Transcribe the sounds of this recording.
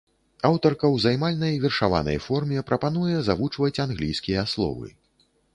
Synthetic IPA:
awt̪ɐrkɐwzajmalʲnɐjvʲɛrʂava̰nɐ̰jfɔrmʲɛpɾɐpan̪ujɛzavut͡ʂvɐt͡sʲanɣlʲijskʲijɐaslˠɔ̰vɨ̰

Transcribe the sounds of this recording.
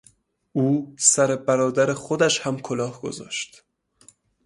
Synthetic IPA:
ʔuːsæɾe̞bæɾɒːd̪æɾeχod̪æʃhæmkʰolɒːhɡ̥o̰zɒ̰ːʃt̪

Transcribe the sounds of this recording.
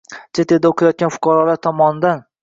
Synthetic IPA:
t͡ʃʰet̪ʰed̪aoqʰjɒt̪̚ɡʲanfʊ̥qʰɑɾɒlaɾt̪ʰɒmɒnd̪an

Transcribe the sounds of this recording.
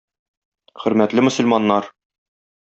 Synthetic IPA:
χɵ̆ɾmæt̪lɘmɵ̆sɵ̆lmɑnːɑɾ

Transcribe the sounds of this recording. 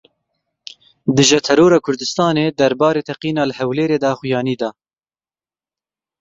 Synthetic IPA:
d̪ɨʒɛt̪ʰɛɾoːɾɑːkʰʊɾd̪ɨst̪ɑːneːd̪ɐɾbɑːɾeːt̪ʰɛqiːnɑːləhɛwleːɾeːd̪ɑxʊjɑːniːd̪ɑ

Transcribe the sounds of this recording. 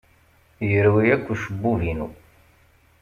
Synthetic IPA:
jəɾwiækʷːuʃəbːuvinu

